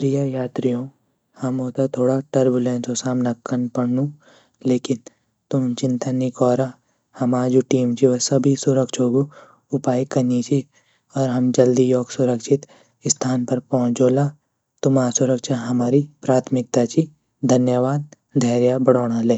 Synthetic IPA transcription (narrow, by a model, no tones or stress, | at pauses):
pɾijajaːt̪ɾijõ | hɐmɦoːt̪at̪ʰoːɽaʈɐɾbulẽːnsosaːmnakːənpɐɽnũ | leːkɪn | t̪ʊmt͡ʃɪ̃nt̪ənikɔːɾa | hɐmaːd͡ʒuʈiːmt͡ʃiʋɐsɐbʱisʊɾəkʃoːɡo | ʊpaːikɐnit͡ʃi | ɔːɾɦɐmd͡ʒɐld̪ijoːɡsʊɾəkʃɪt̪ | st̪ʰaːnpɐɾpɔɦʊ̃t͡ʃoːlaː | t̪ʊmaːsʊɾəkʃaɦɐmaːɾipɾaːt̪ʰmɪk̚t̪at͡ʃi | d̪ʱɐnjəʋaːd̪̚ | d̪ʱɛːɾjabɐɽoːɽ̃aleː